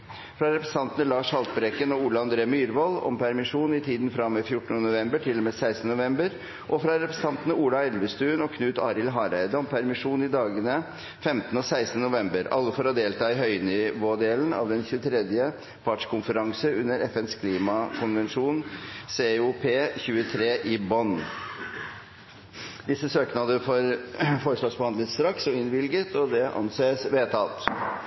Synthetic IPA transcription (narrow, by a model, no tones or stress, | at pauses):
fɾɑɾɛpɾəst̪ɑnt̪ənəlɑːʂhɑlt̪̚bɾɛkːənɔuːlɑɑnd̪ɾeːmyːɾʋɔlɔ̰mpʰæɾmɪʂuːnɪt̪ʰiːd̪nfɾɑmːefjʊʈːn̩ənʊʋɛmbəʈʰɪlːɔmeːsæɪst̪nənʊʋɛmbəɾ | ʔɔfɾɑɾɛpɾɛsə̥t̪ʰɑnt̪nəuːlɑɛlʋəst̪ʉːnɔkʰnʉːt̪ɑːɾɪlɦɑːɾæɪd̪əɔmpʰæɾmɪʂuːnɪd̪ɑːɡənə | fɛmt̪ən̩əɔːsæɪst̪nənʊʋɛmbəɾɑ̰lːəfɔɾɔd̪eːlt̪ʰɑːɪɦœʏnɪʋoːd̪eːln̩ɑ̰ːʋd̪ɛnçʉːət̪ʰɾɛd̪jə | fɑʈʂkʊnfəɾɑŋsəʉnːəɾɛfɛnskʰliːmɑkʰʊnʋɛnʂuːnseːʊpʰeːçʉːət̪ʰɾeːʔɪbɔn | d̪ɪsːəsøːknɑd̪əfɔɾfɔɾəʂʋɑʂbəhɑnd̪ət̪st̪ɾɑksɔɪnʋɪlɡət̪ɔd̪ɛʔɑ̰nseːsʋeːt̪ʰɑːlt̪